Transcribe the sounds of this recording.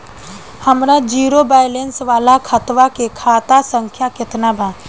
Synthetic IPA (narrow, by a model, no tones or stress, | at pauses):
həmɾad͡ʒiːɾobaːjlensʋaːlakʰət̪ʋakekʰaːt̪asə̃ŋkʰjakɪt̪nabʱa